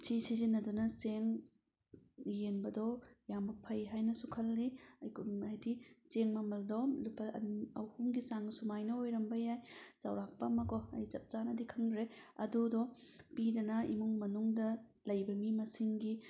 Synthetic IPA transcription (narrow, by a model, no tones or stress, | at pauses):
sʰisizinɐdunɐseŋ | jenbɐdɔjambɐpʰɐjɦajnɐsukʰɐlːiɐjkʰajdiseŋmɐmɐldɔlupːɐɐwhuŋɡisaŋsumajnɐojɾɐmbɐjajt͡ʃa̰wɾak̚pɐmɐkɔɐ̰jzɐp̚t͡ʃanɐdikʰɐŋdɾeɐ̰dudɔpidɐnɐḭmuŋmɐnuŋdɐlɐjbɐmimɐsiŋɡi